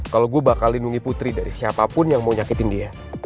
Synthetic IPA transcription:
kaloɡuabakalːinuŋiput̪ɾidaɾisiapapʊnjaŋmauɲakit̪ɪndia

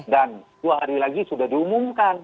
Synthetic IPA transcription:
danduaɦaɾilaɡisudahdiumumkan

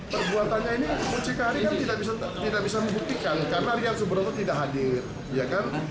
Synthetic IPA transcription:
pərbuat̪anɲainimut͡ʃikaɾikant̪idaʔbisat̪idaʔbisaməmbuk̚t̪ikankaɾənaɾiat̪̚səbəɾot̪ut̪idaʔɦadɪr | jakan

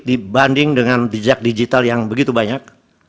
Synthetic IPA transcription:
dibandɪŋdəŋandid͡ʒak̚did͡ʒit̪aljaŋbəɡit̪ubaɲak̚

